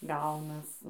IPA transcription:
ˈɡɐʊnɐs

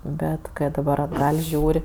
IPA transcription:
ˈbʲɛt ˈkɜ dɐˈbɐr ɐdˈɡɐlʲ ˈʒʲuːrʲ

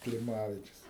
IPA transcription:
klʲɪˈmɑːʋʲɪt͡ʃʲʊs

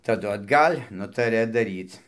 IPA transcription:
tɐˈdʊ ɐdˈɡɐlʲ ˈnʊtɐrʲɛ dɐˈrʲiːt͡s

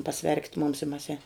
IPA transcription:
pɐˈsʲʋʲɛrʲkʲɪt mʊms ɪ mɐs ɛn

